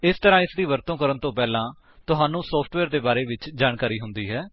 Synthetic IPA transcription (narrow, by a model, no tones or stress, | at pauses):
ɪst̪əɾãːɪsd̪iːʋəɾt̪õːkəɾənt̪õːpɛːlãː | t̪ʊɦaːnũːsɔːpʰʈʋɛːɾd̪eːbaːɾeːʋɪt͡ʃd͡ʒaːɳkaːɾiːɦʊnd̪iːɦɛː